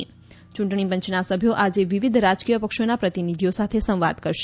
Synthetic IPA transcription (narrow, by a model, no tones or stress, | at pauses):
t͡ʃũɳʈɳibəɲt͡ʃnasəbʱjoʔad͡ʒeʋiʋid̪ʱɾad͡ʒkijəpəkʃonapɾət̪inid̪ʱijosat̪ʰesə̃w̃ʋa̰d̪kəɾʃe̥